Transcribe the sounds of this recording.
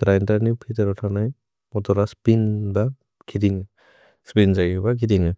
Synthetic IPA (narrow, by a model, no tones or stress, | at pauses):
ɡɾajntanipʰiteɾɔtʰanaj | mɔtɔɾaspinba | kʰidiŋɯ | spinzaɡbakʰidiŋɯ